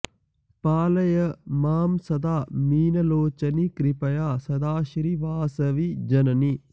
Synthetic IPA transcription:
paːlɐjɐmaːmsɐd̪aːmiːnɐloːt͡ʃɐnikɾipɐjaːsɐd̪aːʃɾiʋaːsɐʋid͡ʒɐnɐni

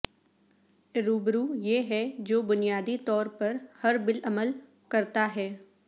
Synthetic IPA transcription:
ɾuːbɾujeːɦɛd͡ʒoːbʊnijaːd̪it̪ɔːɾpɐɾhɐɾbɪləməl | kɐɾt̪aɦɛː

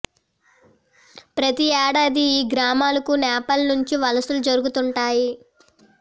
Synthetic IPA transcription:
pɾɐt̪iɛːɽaːd̪iiːɡɾaːmaːlɐkunɛːpɐlnuɲt͡ʃiʋɐlɐsulud͡ʒɐɾuɡut̪uɳʈaːji

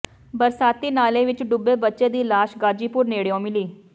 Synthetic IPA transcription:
bəɾsaːt̪iːnaːlẽːʋɪt͡ʃɖʊbeːbətːʃeːd̪iːlaːʃɡaːd͡ʒiːpʊɾneːɽejõːmɪliː

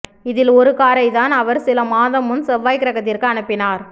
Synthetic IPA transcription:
ɪðɪlɔɾɯkaːɾɐɪt̪aːnɐʋɐɾsɪlɐmaːðɐmɯnsɛʋːaːjkɪɾɐɣɐt̪ːɪrkɯɐnɯpːɪnaːɾ

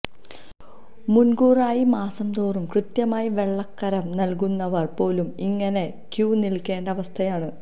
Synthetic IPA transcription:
munɡuːraːjimaːsɐmd̪oːrumkrɨt̪jɐmaːjiʋe̞ɭːɐkːɐɾɐmnɐlk̬unːɐʋɐrpo̞ːlumiŋːɐne̞ | kjuːnilkːe̞ːɳɖɐʋɐst̪ʰɐjaːɳɨ

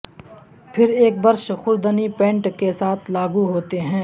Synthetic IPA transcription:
pʰɪɾeːk̚bɐɾʃxʊɾd̪ənipɛ̃ːɳʈkesaːt̪ʰlaːɡuɦoːt̪eɦɛ̃ː

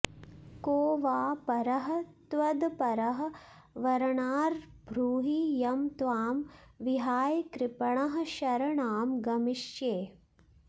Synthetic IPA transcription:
koːʋaːpɐɾɐɦɐ̆t̪ʋɐd̪pɐɾɐɦɐ̆ | ʋɐɾɐɳaːɾbʱɾuːɦijɐmt̪ʋaːmʋiɦaːjkɾɪpɐɳɐɦɐ̆ʃɐɾɐɳaːmɡɐmiʃjeː

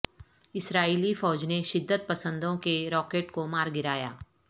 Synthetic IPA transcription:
ɪsɾaːiːlifɔːd͡ʒneʃɪd̪ːət̪̚pɐsə̃nd̪õkeɾɔːkeːʈkomaːɾɡɪɾaːja̰ː

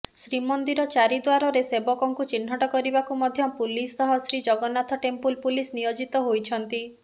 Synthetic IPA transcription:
sɾimɔnd̪iɾɔt͡ʃaɾid̪waɾɔɾesebɔkɔŋkut͡ʃin̤ɦɔʈɔkɔɾibakumɔd̪ʱjɔpulisɔɦɔsɾid͡ʒɔɡɔnat̪ʰɔʈempulpulisnijod͡ʒit̪ɔɦojt͡ʃʰɔnt̪i

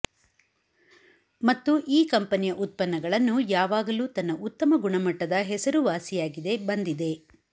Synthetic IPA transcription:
mɐt̪ːuʔiːkɐmpɐnijɐʔut̪̚pɐnːɐɡɐɭɐnːujaːʋaːɡɐluːt̪ɐnːɐʔut̪ːɐmɐɡuɳɐmɐʈːɐd̪ɐɦɛsɐɾuʋaːsijaːɡid̪e̞bɐnd̪id̪e̞

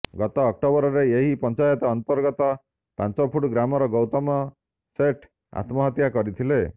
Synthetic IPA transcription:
ɡɔt̪ɔːk̚ʈobɔɾɔɾeeɦipɔnt͡ʃajɔt̪ɔːnt̪ɔɾɡɔt̪ɔ | pãnt͡ʃɔpʰuʈɡɾamɔɾɔɡɔwt̪ɔmɔ | seʈʰ | a̰t̪mɔɦɔt̪jakɔɾit̪ʰile

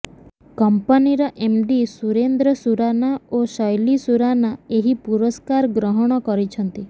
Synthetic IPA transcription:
kɔmpaniɾɔʔemɖisuɾend̪ɾɔsuɾanaosɔjlisuɾanaeɦipuɾɔskaɾɡɾɔɦɔɽ̃ɔkɔɾit͡ʃʰɔnt̪i

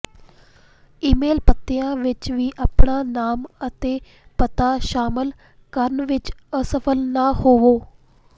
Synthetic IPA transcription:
iːmeːlpət̪ːɪjãːʋɪt͡ʃʋiːʔaːpɳaːnaːmət̪eː | pət̪aːʃaːmɪl | kəɾnʋɪt͡ʃəsəpʰəlnaːhoːʋoː

